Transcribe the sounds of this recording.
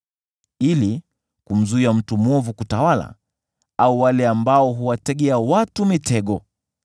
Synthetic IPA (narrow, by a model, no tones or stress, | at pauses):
ili | kum̩zuiam̩tumwɔvukutawala̰ | auwalɛambaɔɦuwatɛɠɛawatumitɛɠɔ